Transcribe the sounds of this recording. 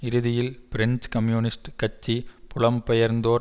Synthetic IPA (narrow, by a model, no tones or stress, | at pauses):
ɪɾɯðɪjɪlpɪɾɛnskɐmjuːnɪsʈkɐt͡ʃːipʊlɐmpɛjɐɾnd̪oːɾ